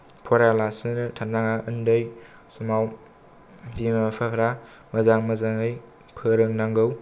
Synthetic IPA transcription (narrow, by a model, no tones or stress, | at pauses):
pʰɔɾalasɯnɯtʰandaŋaʔɯndɯj | sumaw | dimapʰapʰɾa | mɐzaŋmɐzaŋɯj | pʰɯɾɯŋnaŋɡɯw